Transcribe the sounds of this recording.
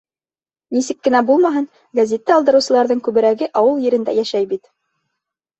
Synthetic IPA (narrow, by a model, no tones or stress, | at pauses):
nisɘkːɘ̆næbulˠmɑɦɤn | ɡɐzʲet̪ːɘɑlˠd̪ɤ̆ɾɤ̆wsɤ̆lˠɑɾðɤɴkʉβɘ̆ɾæɡɘʔɑwɤlˠjɘ̆ɾɘ̆nd̪æ̰jæʃæjbit̪